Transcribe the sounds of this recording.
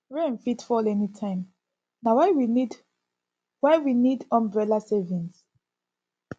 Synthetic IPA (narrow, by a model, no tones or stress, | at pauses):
ɹẽnfitfɔlɛnitʰãɪ̃m | nawawiid | wawinidɔ̃mbɹɛlasevĩns